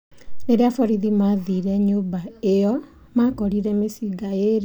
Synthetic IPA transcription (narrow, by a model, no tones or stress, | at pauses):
neɾeafɔɾiðimaðiɾɛɲobaejɔ | makɔɾiɾɛmesiɡaeɾ